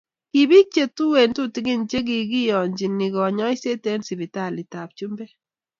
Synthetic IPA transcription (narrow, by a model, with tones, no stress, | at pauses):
ki˨bi˦t͡ʃe˨tu˦we˨ntu˦ti˦ɡi˦nt͡ʃe˦k̬i˨ki˦jɔ˨ɲd͡ʒi˨ni˨ɡɔ˨ɲɔ˦jse˦te˦nsi˨bi˨ta˦˨li˨ta˨p̚t͡ʃu˦mbɛ˦